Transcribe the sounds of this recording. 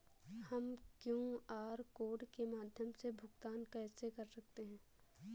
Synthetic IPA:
hɐmkjũːaːɾkoːɖkemaːd̪ʱjəmsebʱʊɡt̪aːnkɛːsekɐɾsɐk̚t̪eɦɛ̃ː

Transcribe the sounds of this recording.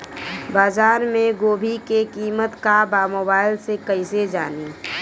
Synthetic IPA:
baːzaːɾmẽɡoːbʱikekiːmət̪kabaːmoːbaːɪlsekəɪsed͡ʒaːni

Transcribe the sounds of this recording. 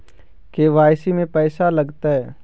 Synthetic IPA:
keʋaːɪsimẽpɛːsalɐɡt̪aɦɛː

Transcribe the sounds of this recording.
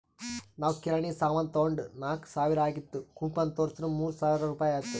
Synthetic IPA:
naːʋkiɾɐɳisaːʋɐnt̪oːɳɖnaːksaːʋiɾɐaːɡit̪ːukumpɐnt̪oːɾsnumuːɾusaːʋiɾɐɾuːpaːjaːɡit̪ːu

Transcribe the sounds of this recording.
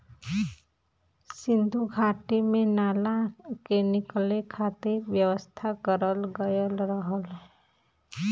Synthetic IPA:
sɪnd̪ʱuɡʱaʈimẽnaːlakenɪklekʰat̪eɾbjəwəst̪ʰakəɾəlɡəjəlɾəɦəl

